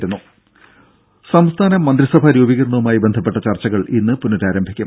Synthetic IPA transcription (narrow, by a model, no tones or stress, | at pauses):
ɾunːu | sɐmst̪ʰaːnɐmːɐnd̪ɾisɐbʱaɾuːbiɣɐɾɳːɐumaːjibe̞nd̪ʱɐpːe̞ʈːɐt͡ɕɐrt͡ɕːɐɣɐɭinːɨpunːɐɾaːɾɐmbʱikʲːum